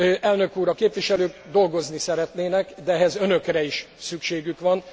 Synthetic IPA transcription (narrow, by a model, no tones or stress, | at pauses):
ʔɛlnø̞kuːɾɒkeːpʋiʃɛløːɡd̪o̞lɡo̞znisɛɾɛt̪neːnɛkd̪ɛɛɦɛzø̞nø̞krɛiʃ | sykʃeːɡykʋɒn